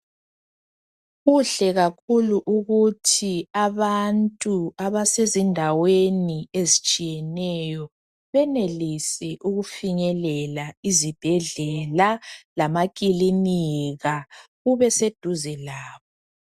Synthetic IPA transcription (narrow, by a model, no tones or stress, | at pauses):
ɣuɬɛɣakʰuluʔuɣutʰiaβantʼuaβasezindʱaweniezit͡ʃʼijɛnɛjɔ | βɛnelisɛʔuɣufiɲɛlɛlaizib̥ʱɛɮɛlalamakʼiliniɣaɣuβɛsed̥ʱuzɛlaːβɔ